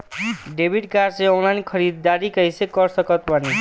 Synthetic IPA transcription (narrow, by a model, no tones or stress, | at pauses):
ɖebʱiʈ̚karseɔŋlajnkʰʌɾid̪̚ːaɾikʌjsekʌrsʌkʌt̪pani